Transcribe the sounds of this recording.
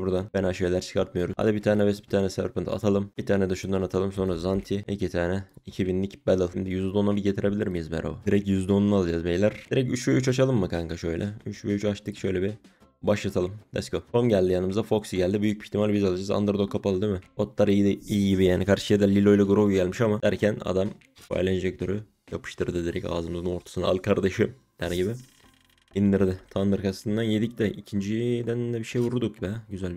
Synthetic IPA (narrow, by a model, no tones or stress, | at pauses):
buɾd̪anbɛnaʃijlʲæɾt͡ʃʰɯ̥kʰaɾt̪mɯjo̞ɾuza̰d̪ibit̪ʰaːnɛvɛsbit̪ʰaːnɛsɛvɾpɯnt̪ʰa̰t̪ʰalˠɯmb̥it̪ʰaːnɛd̪ɛʃund̪anat̪ʰalˠɯmsonɾazant̪ʰiicʰit̪ʰaːnɛicʰibinlʲicbɛd̪ɯlˠmd̪ɛjyzd̪onabɟe̞t̪ʰiɾe̞bilʲiɾmijizbɛ̰ɾo̰a̰d̪iɾɛcjyzd̪o̞nunalˠad͡ʒaːzbejlʲæɾd̪iɾɛc̬yt͡ʃvejyt͡ʃat͡ʃʰalˠɯmːɯkʰaŋkaʃø̞jlʲʔɛyt͡ʃvejyt͡ʃat͡ʃt̪ʰɯkʃø̞jlʲɛbi | baʃat̪ʰalˠɯmd̪ɛ̰skoonɟælʲd̪ijanɯmɯzd̪afo̞ksɯɟælʲd̪ibyjyc̚ʲbi̥çt̪imalʲbizalˠad͡ʒaza̰nd̪ɯɾd̪okʰːapalˠɯd̪imɪot̪lˠaɾid̪ijiɟibijaːnikʰaɾʃɯ̥jad̪ɛlʲilʲo̞jlʲˠaɡuɾubɟælʲmiʃamad̥̪æɾcʰæna̰d̪am | fa̰jlʲaind͡ʒɛk̚t̪ʰøɾy | japʰɯ̥ʃt̪ʰɯɾd̪ɯd̪iɾɛca̰ːzɯmɯzɯnoɾt̪ʰḁsɯna̰lˠɯkʰaɾd̪aʃɯ | d̪̥æɾɟibɪ | ind̪iɾd̪ɪt̪ʰand̪ɯɾkʰast̪ɯnd̪anjed̪icd̪ɛʔicʰind͡ʒid̪ænd̪ɛbiʃejvuɾud̪ukbɛɟyzælʲb